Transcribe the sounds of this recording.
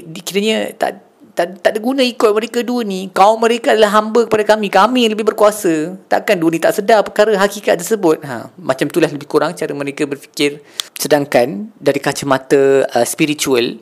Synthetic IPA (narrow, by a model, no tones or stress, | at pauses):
dkiɾəɲət̪a̰ʔ | t̪aʔt̪aʔdiɡunãikɔt̚mə̃ɾekaduənikaʊmə̃ɾekaadalaɦambəkəpadakamikamiləbɪhbərkuasət̪a̰ʔkanduənĩt̪aʔsədapərkaɾəɦakikat̪̚t̪ːərsəbʊt̪̚ɦa̰mat͡ʃamt̪ulahləbɪhkuɾaŋt͡ʃaɾəmə̃ɾekabərfi̥kɪrsədaŋkandaɾikat͡ʃəmat̪əəspiɾit͡ʃuəl